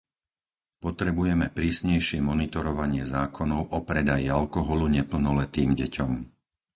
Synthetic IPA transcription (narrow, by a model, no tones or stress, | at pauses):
pɔt̪ɾɛbujɛmɛpɾiːsɲɛjʃɪɛmɔnit̪ɔɾɔʋaɲɪɛzaːkʰɔnɔʊʔɔpɾɛd̪ajialkɔɦɔluɲɛpl̩nɔlɛt̪iːmɟɛcʰɔm